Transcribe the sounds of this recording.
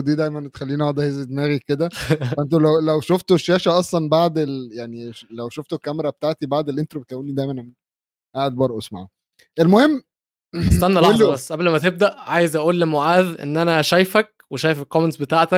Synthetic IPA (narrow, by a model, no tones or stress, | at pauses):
d̪iːd̪æjmænt̪e̥xælːiːniɑd̪æhezed̪mæːɣiked̪æʔent̪olæwlæwʃoft̪oʃːæːʃæʔɑsˤlɑnbaʕd̪eljaʕnilæwʃoft̪okːæmeɾˤɑbet̪aʕt̪ibaʕd̪elʔent̪ɾobet̪ʔæwuːnːid̪æjmænʔæmiːn | ʔaʕed̪̚bɑɾʔosma̰ʕ | ʔelmohemː | esænːælɑbæsˤːʔæblmæt̪eb̚d̪æʔʕaːjezʔæʔuːlːemoʕaːðʔḛnːʔænæʃæjfæk̚ | weʃæːjefekoment̪sbet̪aːʕt̪æk̚